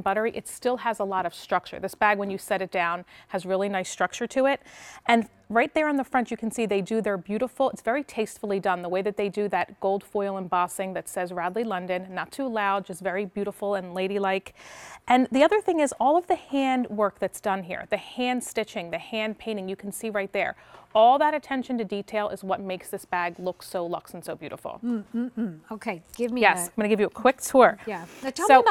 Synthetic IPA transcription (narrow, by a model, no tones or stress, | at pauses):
bʌɾə˞iʔɨtstɪlˠəzəlɔɾʌv̥stɹ̥ʌk̚t͡ʃə̰˞ðɪsb̥æɡwɨ̃njɨsɛɾɨt̚d̥ãʊ̃nɨzɹɪlˠinaɪstɹ̥ʌk̚t͡ʃə˞ɾɨɪɾ̚ɨ̃n | ɹaɪt̪̚ðə˞ɨ̃nðəfɹʌ̃nt͡ʃɨkʰn̩siðeɪdɨðə˞bjʉɾəfl̩ˠɨtsv̥ɛɹitʰeɪstfl̩ˠidʌ̃nðəweɪðɨt̪̚ðeɪdɨðɨt̚ɡ̥oʊlˠd̥fɔɪl̩ˠə̃nbɑsɪ̃ŋðɨtsɛzɹadˡlilʌ̃ndɨ̃nːətʰʉlaʊd̚d͡ʒʌstvɛɹibjʉɾəfl̩ˠə̃nleɪɾilaɪkʔɨ̃nðiʌðə˞θɪ̃ŋɨzɔlˠʌvðɨhæ̃ndwɜ˞k̚ðɨtsd̥ʌ̃nɦḭɹðɨhæ̃nd̥stɪt͡ʃɪ̃ŋðɨhæ̃npʰẽɪ̃ɾ̃ɪ̃ŋjɨkʰn̩siɹaɪt̪̚ðə̰˞ɔlˠðəɾɨtʰɛ̃nʃɨ̃n̩tɨditʰeɪlˠɪ̰zwʌt̚meɪksðɪsb̥æɡlʊksoʊlʌksn̩soʊbjʉ̰ɾə̰fl̩ˠoʊkʰeɪɡ̥ɪvmijɛsɡʌnɨɡɪvjɨəkʰw̥ɪk̚tʰʊɹjæsoʊ